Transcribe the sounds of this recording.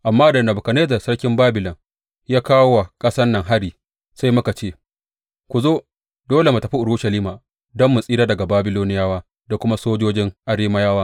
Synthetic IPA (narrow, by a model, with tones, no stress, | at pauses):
ʔa˨mːaː˦dɐ˨nɐ˨bʊ˨ka˨neː˦zɐ˨sɐ˦ɽkʲɪ˦mbaː˦bɪ˨lɔ˨ŋ | jaː˦kaː˦wwa˨kʼɐ˦sɐ˦nːɐ˨ŋɦa˦ɽiː˨ | sa˦jmʊ˦ka˨t͡ʃeː˦ | kʷu˨zoː˦ | doː˦le˨mu˨tɐ˨ɸi˦ʔʊ˨ɽʊ˦ʃɐ˨liː˦maː˨ | dɔ˦mːʊ˨sʼiː˦ɾaː˦dɐ˨ɡa˨baː˦bɪ˦loː˦nɪ˦jaː˦waː˦ | da˨kʷʊ˦ma˦soː˦d͡ʒoː˦d͡ʒɪ˦ŋʔa˨ɽeː˦ma˦jaː˦waː˦